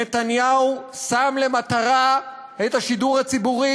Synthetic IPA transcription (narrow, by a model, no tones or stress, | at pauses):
et̪anjausamle̞mat̪aʁa | et̪aʃiduʁhat͡sibuʁi